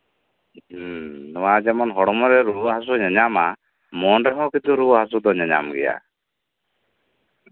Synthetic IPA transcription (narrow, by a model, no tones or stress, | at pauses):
nɔwad͡ʒɛmɔnɦɔɽɔmɔɾɛɾuɦasuɲɛɲama | mɔnɾɛɦɔ̃kit̪uɾuɦasud̪ɔɲaɲa̰mɡɛja̰